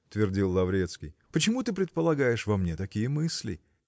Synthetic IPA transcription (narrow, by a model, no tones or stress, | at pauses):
ʊt̪vʲɪrdʲilˠːɐvɾʲet̪skʲḭjpət͡ɕɪmut̪ɨpɾʲɪt̪̚pəlˠɐɡajɪʂvɐmnʲet̪ɐkʲijəmɨsʲlʲɪ̰